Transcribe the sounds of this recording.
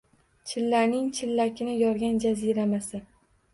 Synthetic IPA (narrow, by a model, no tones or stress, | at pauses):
t͡ʃʰɪlːaɾnɪŋt͡ʃʰɪlːakʲʰɪnɪjɒɾɡʲand͡ʒaziɾamasɪ